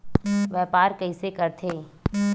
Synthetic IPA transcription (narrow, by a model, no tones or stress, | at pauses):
ʋɛːpaːɾkəisekəɾt̪ʰeː